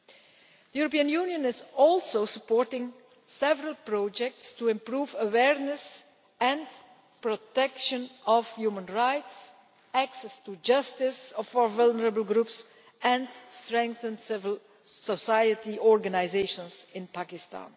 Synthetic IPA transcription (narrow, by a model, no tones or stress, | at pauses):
d̪əjuɹɔpiːə̃njunjə̃nɪzɔlˠsosəpɔːɹtɪ̃ŋ | sɛvəɹəlˠpɹɔd͡ʒɛk̚tstuɪ̃mpɹuːvəwɛɹnəs | ɛ̃n | pɹɔtɛkʃə̃nɔvjuːmə̃nɹaɪts | æksɛstud͡ʒʌstɪsɔfɔvʌlˠnəɹəbəl̩ˠɡɾups | ɛ̃nstɹɛ̃ŋk̚θə̃ndsɪvəlˠ | sɔsajətiɔɹɡanaɪzeɪʃə̃nsɪ̃npakɪstã̰ːn